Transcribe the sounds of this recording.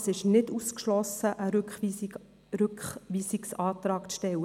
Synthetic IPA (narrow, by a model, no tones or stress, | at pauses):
sɪʃnɪduːskʃlɔsəʔəɾkχ | ɾʏkχʋiːsɪksɑːt̪ɾɑːkt͡sʃtɛwə